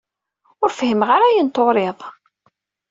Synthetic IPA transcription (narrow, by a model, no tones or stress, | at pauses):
ʊɾfhəmʁaɾæjənt̪oɾeðˤ